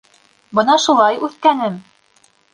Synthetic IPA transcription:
bɤnɑʃulˠɑjʉθkænɘm

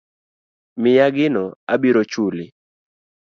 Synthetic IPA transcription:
mɪjaɡɪnɔabiɾot͡ʃulɪ

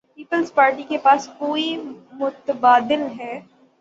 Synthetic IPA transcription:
piːpəlzpaːɾʈikepaːskoːimʊt̪əbaːd̪ɪlɦɛː

